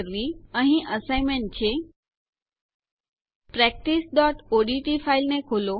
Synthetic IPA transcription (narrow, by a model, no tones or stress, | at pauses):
ɾʋiəɦĩʔəsaimeɳʈ̚t͡ʃʰe | pɾɛk̚ʈisɖɔʈoɖiʈifailnekʰolo